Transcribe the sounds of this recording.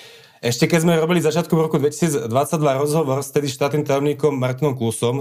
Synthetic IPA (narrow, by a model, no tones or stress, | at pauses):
ɛʃcɛkɛzmɛɾɔbilizat͡ʃɪat̪kɔmɾɔkud̪ʋɛci̥siːd͡zd̪ʋat͡saɟd̪ʋaɾɔzɦɔʋɔɾst̪ɛd̪iʃt̪aːt̪niːmt̪ajɔmɲiːkɔmːaɾt̪inɔmklusɔm